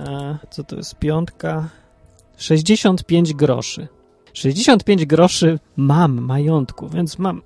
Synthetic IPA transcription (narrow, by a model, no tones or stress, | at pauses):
at̪sɔt̪ɔ̰jɛ̰st̪pʲjɔnt̪ka | ʂɛʑd͡ʑeɕɔnt̪pʲjeɲd͡ʑɡɾɔ̰ʂɘ̰ | ʂɛʑd͡ʑeɕɔ̃nt̪̚pʲjeɲd͡ʑɡɾɔʂɘmamːajɔnt̪kuvʲjɛnt̪smam